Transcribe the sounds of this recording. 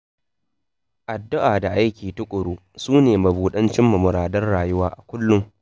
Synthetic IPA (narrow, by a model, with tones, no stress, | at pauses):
ʔa˨dːʊ˦ʔaː˨da˨ʔa˦jkʲiː˨tʊ˦kʷʼʊ˨ɽuː˦ | suː˦neː˨mɐ˨buː˨ɗɐ˦nt͡ʃɪ˦mːɐ˨mʊ˨ɾaː˨dɐ˦rɽaː˨jʊ˦waː˦ʔa˨kʷʊ˦lːʊ˦ŋ